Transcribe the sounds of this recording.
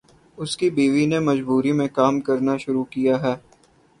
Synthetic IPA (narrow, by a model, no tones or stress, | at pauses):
ʊskibiːʋinemɐd͡ʒbuːɾimẽkaːmkɐɾnaʃʊɾukijaɦɛː